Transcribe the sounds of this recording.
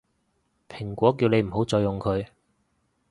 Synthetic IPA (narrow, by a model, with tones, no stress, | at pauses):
pʰɪ˨˩ŋkʷɔː˨˥k̬iː˧wne˨˧jm̩˨˩ɦo˨˥wt͡sɔː˧jʊ˨ŋkʰɵ˨˧ɥ